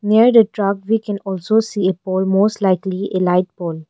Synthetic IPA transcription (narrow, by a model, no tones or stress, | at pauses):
niəɾd̪əʈɾakʋiːkɛ̃nɔːlsoːsiːepoːlmoːsʈlaɪklielaɪʈ̚boːl